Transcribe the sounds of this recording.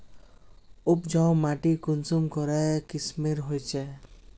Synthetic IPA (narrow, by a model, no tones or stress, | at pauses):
upd͡ʒãmaʈikunsumkɔɾajkismiɾɦojt͡ʃʰɛ